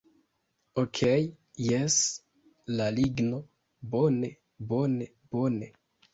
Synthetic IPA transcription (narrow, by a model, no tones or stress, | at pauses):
okʰej | jes | laliɡno̞ | bone | bo̞ne | b̥one